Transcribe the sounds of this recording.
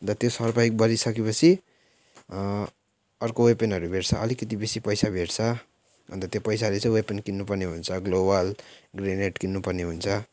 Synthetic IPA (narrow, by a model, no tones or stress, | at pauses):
nt̪ʌt̪josʌrpaik̚bʌɾisʌkepʌt͡sʰi | ʌrkowepenɦʌɾubʱeʈt͡sʰʌʌlikʌt̪ibesipʌjsabʱeʈt͡sʰʌ | ʌ̰nt̪ʌt̪jopʌjsalet͡sʌ̃j̃wepenkinːupʌrneɦunt͡sʰʌɡlobʌlɡreneʈkinːupʌrneɦunt͡sʰʌ